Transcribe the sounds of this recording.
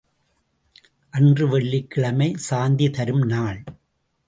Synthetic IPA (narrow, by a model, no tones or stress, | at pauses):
ʔɐndrɯʋɛɭːikːɪɭɐmɐɪsaːnd̪it̪ɐɾɯmnaːɭ